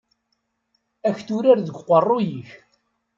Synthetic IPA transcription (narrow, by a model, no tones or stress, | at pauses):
æçθuɾaɾðəɡʷqːərˤːojiç